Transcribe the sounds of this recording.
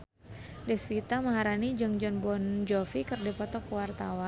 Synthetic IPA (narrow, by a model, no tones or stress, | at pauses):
dɛsfit̪aməɦaɾanid͡ʒɨŋd͡ʒɔnbɔnd͡ʒɔfikɨrdipɔt̪ɔkːəwart̪awa